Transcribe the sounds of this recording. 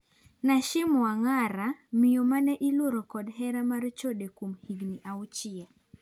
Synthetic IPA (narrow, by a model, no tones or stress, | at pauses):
naʃɪmɔaŋaɾamɪjomanɛʔiloɾɔkɔdɦɛɾamart͡ʃodekomhiɡniʔaut͡ʃɪɛ